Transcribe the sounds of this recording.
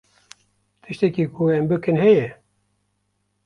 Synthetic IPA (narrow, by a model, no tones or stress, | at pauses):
t̪ʰɨʃt̪ɛkiːkʰuɛmbɨkɨnhɛjɛ